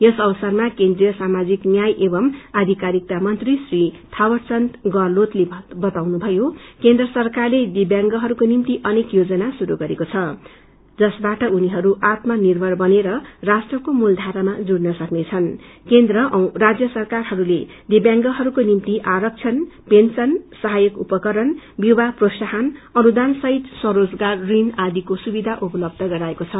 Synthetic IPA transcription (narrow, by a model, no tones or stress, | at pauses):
jʌsʌbʌsʌrmakend̪rijʌsamad͡ziknjajʔebʌmad̪ʱikaɾik̚t̪amʌnt̪risrit̪ʰawʌrt͡sʌnt̪ɡʌrlot̪lebʌt̪awnubʱʌjokend̪rʌsʌrkarled̪ibjaŋɡʌɦʌɾukonimt̪iʔʌnekjod͡zʌnasuɾuɡʌɾekot͡sʰʌ | d͡zʌsbaʈʌuniɦʌɾuʔat̪mʌnirbʱʌrbʌneɾʌrasʈrʌkomuld̪ʱaɾamad͡zuɽnʌsʌknet͡sʰʌnkend̪rʌʔʌrad͡zjʌsʌrkarɦʌɾule | d̪ibjaŋɡʌɦʌɾukonimt̪iʔaɾʌk̚t͡sʰʌnpensʌnsʌɦajʌkṵpʌkʌɾʌnbjiwaprosaɦanʌnud̪ansʌɦit̪sʌɾod͡zɡarːinad̪ikosubid̪ʱaʔupʌlʌb̚d̪ʱʌɡʌɾaekot͡sʰʌ